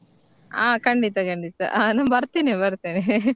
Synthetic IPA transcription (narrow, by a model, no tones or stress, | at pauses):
aːkɐɳɖit̪akɐɳɖit̪a̰ːnambɐɾt̪inibɐɾt̪ini